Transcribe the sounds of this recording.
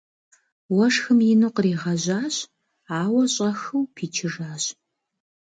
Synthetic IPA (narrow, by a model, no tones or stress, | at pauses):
wɐʂxɨmjɪnuqriːʁɐʑaːɕ | aːwɐɕʼɐxɨwpʰiːt͡ʃʰɪʐaːɕ